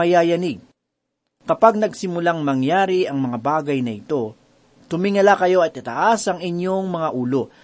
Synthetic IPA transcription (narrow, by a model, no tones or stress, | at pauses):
ɐjaːjɐniɡ̚ | kɐpaɡ̚nɐɡsɪmʊlaŋmɐŋjaːɾiɐŋmɐŋabaːɡɐjnɐʔɪt̪o̞ | t̪ʊmɪŋɐlakɐjo̞ɐt̪̚ɐt̪ɐʔasɐŋɪɲjo̞ŋmɐŋaʔuːlo̞